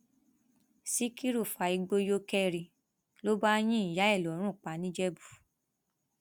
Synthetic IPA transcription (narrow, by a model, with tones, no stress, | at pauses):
si˦ki˦ɾu˦˨fa˨i˧ɡ͡bo˧jo˦kɛ˦ɾi˧ | lo˦ba˦j̃ĩ˦i˨ja˨˦ɛ˦˨lɾ̃ũ˦˨k͡pa˨˦nĩ˦d͡ʒɛ˦bu˨